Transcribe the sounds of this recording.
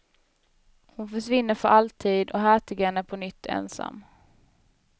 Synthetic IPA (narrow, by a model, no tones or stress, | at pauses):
hʊnfœʂvɪnːəɾfœɾʔalt̪ʰiːd̪ɔɦæːʈʰɪɡɛnæpʰɔnʏt̪ʰːɛ̰nsa̰mː